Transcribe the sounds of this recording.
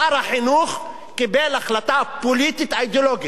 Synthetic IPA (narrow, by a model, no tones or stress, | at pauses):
aɾaħinuχ | kibelaχlat̪apolit̪it̪ajd̪oloɡi